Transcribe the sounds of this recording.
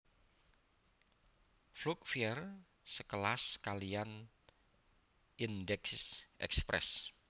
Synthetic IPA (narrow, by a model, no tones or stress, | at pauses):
flukfiɛr | səkəlaskalijan | ʔind̪ɛkssʔɛ̰kspɾʔɛ̰s